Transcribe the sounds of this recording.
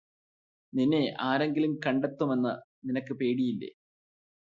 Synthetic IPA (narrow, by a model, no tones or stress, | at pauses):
ninːe̞ʔaːɾe̞ŋɡilumkɐɳɖet̪ːume̞nːɐninɐkːɨpe̞ːɽijilːe̞̰